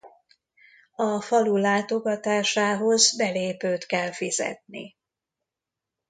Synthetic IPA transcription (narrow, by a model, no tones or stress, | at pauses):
ɒfɒlulaːt̪o̞ɡɒt̪aːʃaːɦo̞zbɛleːpøːt̪kɛlfizɛ̰t̪̚nḭ